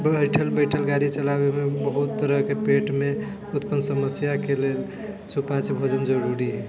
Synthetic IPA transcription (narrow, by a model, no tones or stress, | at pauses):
bəjʈʰəlbəɪʈʰəlɡaɾit͡ʃəlabemebəɦut̪ːəɾəɦkepeʈme | ut̪pənsəməsjakelel | supat͡ʃbʱod͡ʒənd͡ʒəɾuɾiɦɛ